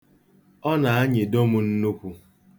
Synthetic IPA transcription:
ɔ˦na˨a˦ɲɪ˨do˦mʊ˦n̩˦nu˦kʷu˦

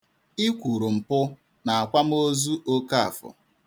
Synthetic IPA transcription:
i˦kʷu˨ɾu˨m̩˨pʊ˦ | na˨a˨kʷa˦m̩˦o˦zu˦o˦ka˦a̰˨fʊ̰˨

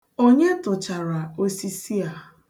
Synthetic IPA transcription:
o˦ɲe˦tʊ˨t͡ʃa˨ɾa˨o˦si˦si˦a˨

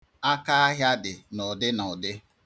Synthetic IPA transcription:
a˦ka˦a˦ɦja˦dɪ˨nɔ˨dɪ˦nɔ˨dɪ˦

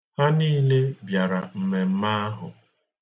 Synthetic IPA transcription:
ha˦niː˦le˦bja˨ɾa˨m̩˨me˨m̩˦ma˦a˦ɦʊ˨

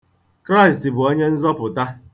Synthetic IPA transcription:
kɾa˦ɪ˨sti˨bʊ˨o˦ɲe˦n̩˦zɔ˦pʊ˨ta˦

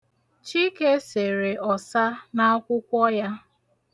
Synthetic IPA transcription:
t͡ʃi˦ke˦se˨ɾe˨ɔ˨sa˦na˦kʷʊ˦kʷɔ˦ja˦

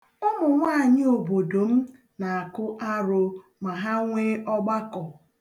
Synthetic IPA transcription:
ʊ˦mʊ˨ŋʷaː˦˨ɲɪ˦o˨bo˨do˨m̩˦ | na˨a˨kʊ˦ʔa˦ɾʊ˨ | ma˨ɦa˦ŋʷe˦ɔ˦ɡ͡ba˦kɔ˨

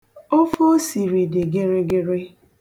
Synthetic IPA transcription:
o˦fo˦si˨ɾi˨de˨ɡe˦ɾe˦ɡɪ˦ɾe˦

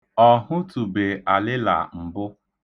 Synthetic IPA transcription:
ɔ˨ɦʊ˦tu˨be˨ʔa˨lɪ˦la̰˨m̩˨bʊ˦

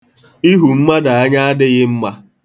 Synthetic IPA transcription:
i˦ɦu˨m̩˦ma˦da˨a˦ɲa˦a˦dɪ˦ɣɪ˦m̩˦ma˦

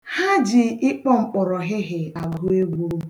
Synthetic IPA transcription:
ha˦d͡ʒɪ˨ɪ˦k͡pɔ˦ŋ͡m̩˨k͡pɔ˨ɾɔ˨ɦɪ˦ɦɪ˨a˨ɡu˦e˦ɡʷu˦

